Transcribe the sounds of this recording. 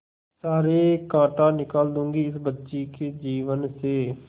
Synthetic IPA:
saːɾeːkãːʈãːnɪkaːld̪ʊ̃ːŋɡiːɪsbətːʃiːkeːd͡ʒiːʋənseː

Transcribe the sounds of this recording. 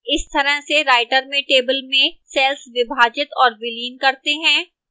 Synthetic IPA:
ɪst̪ɐɾəɦseɾaːɪʈəɾmẽʈeːbəlmẽsɛːlsʋɪbʱaːd͡ʒɪt̪ɔːɾbɪliːnkɐɾt̪eɦɛ̃ː

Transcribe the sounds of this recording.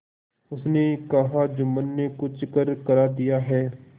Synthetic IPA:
ʊsnekɐɦad͡ʒʊmənːekʊt͡ʃkəɾkəɾaːd̪ijaːɦɛː

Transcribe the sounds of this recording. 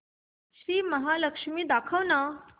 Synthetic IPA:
ɕɾiːməɦaləkʂmiːd̪akʰəʋna

